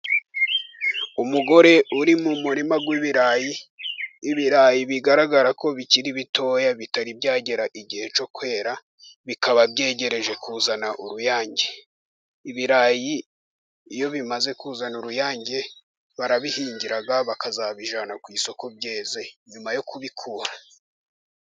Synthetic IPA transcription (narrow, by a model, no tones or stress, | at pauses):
umuɡo̞ɾe̞uɾimumuɾimaɡwiːβiɾaːjiː | βiɾaːjiβiɡaɾaɡaɾako̞βiciɾiβitʰo̞ːjaβitaɾibɟaːɟe̞ɾaʔiɟihe̞t͡ʃo̞kwe̞ːɾa | βikaβabɟe̞ːɟe̞ɾe̞ʒe̞kuːzanaʔuɾujaːɲɟe | iβiɾaːjiː | jo̞βimaze̞kuːzanuɾujaːɲɟe̞ | βaɾaβihiːɲɟiɾaɡaβakazaβiʒanakwiːso̞ko̞b̚jeːze̞ɲumajo̞kuβikʰuːɾa